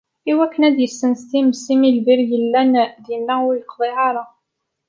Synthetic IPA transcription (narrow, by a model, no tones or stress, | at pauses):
iwækːənæd̪jəsːənst̪imsimilbiɾjəlːænd̪inːæwlqðˤiʕɑɾˤɑ